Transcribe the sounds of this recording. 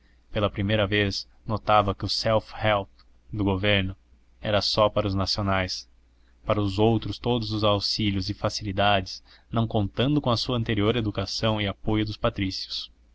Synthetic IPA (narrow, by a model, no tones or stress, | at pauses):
pelɐpɾimejɾɐves | not̪avɐkɪʊsɛwfhɛwp | d̪ʊɡoveɾnʊ | ɛɾɐsɔpaɾɐʊznasionajs | paɾɐʊzowt̪ɾʊst̪od̪ʊzʊzawsiʎjʊzɪfasilid̪ad͡ʒɪz̥ | nɐ̃w̃kõnt̪ɐ̃nd̪ʊkõɐsuɐ̃nt̪eɾioɾed̪ukasɐ̃w̃ɪapojʊd̪ʊspat̪ɾisiʊ̥s